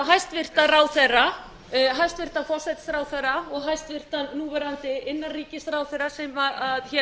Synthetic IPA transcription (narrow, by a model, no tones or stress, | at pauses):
ɦajst̪vɪr̥t̪araːwθɛrːa | ɦajst̪vɪr̥t̪anfɔrsɛt̪sɾaːwθɛɾaɔɣɦajst̪vɪr̥t̪anːuːvɛɾant̪ɪɪnːariːcɪsɾaːwθɛɾasɛmaaðçɛ